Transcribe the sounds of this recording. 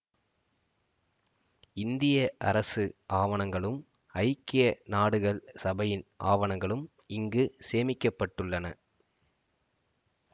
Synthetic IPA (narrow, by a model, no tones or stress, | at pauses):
ɪnd̪ɪjɐʔɐ̰ɾɐsɯʔaːʋɐɳɐŋɡɐɭɯm | ɐɪkːɪjɐnaːɽɯɣɐɭsɐbɐjɪnʔa̰ːʋɐɳɐŋɡɐɭɯm | ɪŋɡɯseːmɪkːɐpːɐʈːɯɭːɐnɐ̰